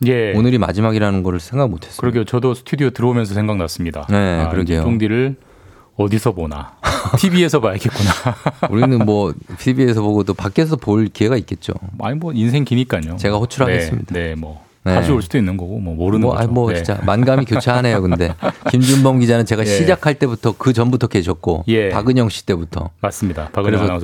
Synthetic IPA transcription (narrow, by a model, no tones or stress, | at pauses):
je̞onɯɾima̰d͡ʑimaɡiɾanɯnɡʌɾɯɭsʰeŋɡaɡmotʰe̞s͈kɯmɾʌɡʰijot͡ɕʌdosʰtʰudiotɯɾʌomjʌnsʰʌsʰe̞ŋɡak̚nas͈ɯmɲida̰ne̞ɯɾʌɡijot͡ɕoŋdiɾɯɭ | ʌdisʰʌbonatʰibie̞sʰʌmaɭkʰet̚k͈unauɾinɯnmwʌtʰibie̞sʰʌboɡodopak͈e̞sʰʌopoɭkie̞ɡait̚k͈e̞t̚t͡ɕ͈o̰a̰ɲimwʌinsʰe̞ŋkiɲik͈aɲot͡ɕe̞ɡaɸot͡ɕʰuɾɦaɡes͈ɯmɲid̥aemʌ | neaɕʰioɭs͈udoinːɯnɡʌɡomʌmoɾɯna̰mwʌit͡ɕ͈a̰manɡammikjot͡ɕʰeane̞jjokɯnde̞kimd͡ʑunbʌmɡid͡ʑanɯnt͡ɕe̞ɡaɕʰid͡ʑakʰaɭt͈e̞butʰʌkɯt͡ɕʌnbutʰʌke̞ɕʰʌk̚k͈o̰je̞paɡɯɲʌŋɕ͈i̥t͈e̞butʰʌ̰mas͈ɯmɲidapaɡɯɾesʰʌ